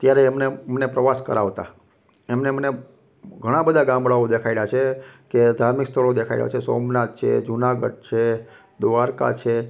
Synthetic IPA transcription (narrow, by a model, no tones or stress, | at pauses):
t̪jaɾeːmnemənepɾəʋaskəɾaʋt̪a̰ | emneməne | ɡʱəɽ̃ãbəd̪ʱaɡãmbɭaod̪ekʰailat͡ʃʰeked̪ʱaɾmikst̪ʰəɭod̪ekʰaḭlja̰t͡ʃʰeso̰mnat̪̚t͡ʃʰḛd͡ʒunaɡə̰ɖ̚t͡ʃʰe | d̪uʋaɾka̰t͡ʃʰe